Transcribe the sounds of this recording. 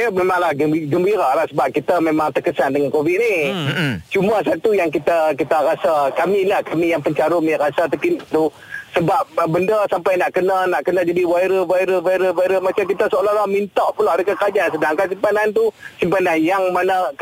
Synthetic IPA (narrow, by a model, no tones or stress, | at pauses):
əmemaŋlahɡəbiɡəmbiɾalahsəbap̚kit̪amemãŋt̪əkəsandəŋankovit̪̚ni | t͡ʃumas̬at̪ujaŋkit̪akit̪aɾasakamilahkamijaŋpəɲt͡ʃaɾʊmjaɾasat̪əkint̪u | səbap̚bəndəsampajnaʔkənanaʔkənad͡ʒadiwaiɾəvaiɾəvaiɾəvaiɾəmat͡ʃamkit̪asəoloɾahmint̪aʔpulaʔadəkəkad͡ʒansədaŋkansimpanant̪̬usimpananjaŋmanə